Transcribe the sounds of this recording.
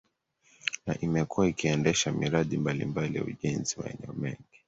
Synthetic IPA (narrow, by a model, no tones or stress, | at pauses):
na̰ʔimɛkuwaikiɛndɛʃamiɾaɗimbalḭmbalija̰uʄɛnziwa̰ɛ̰nɛɔmɛŋɡi